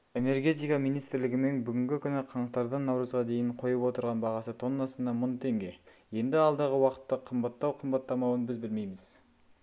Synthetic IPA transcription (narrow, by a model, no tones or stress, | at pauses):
e̞ne̞rɡʲe̞t̪ijkɑmijnijst̪ɪɾlɪɡʲɪme̞nbʏɡʲɪŋɡʲɪkʲʰʏnɪqʰɑɴqt̪ɑɾd̪ɑnːɑwɾəzʁɑd̪e̞jɪɴqʰo̞jəpwo̞t̪əɾʁɑnbɑʁɑsət̪ʰo̞nːɑsənd̪ɑmʊnt̪ʰe̞ŋɡʲe̞je̞nd̪ɪɑlˠd̪ɑʁəwɑqə̥t̪ːɑqʰəmbɑt̪ːɑwqʰəmbɑt̪ːɑmɑwənbɪzbɪlme̞jmɪz̥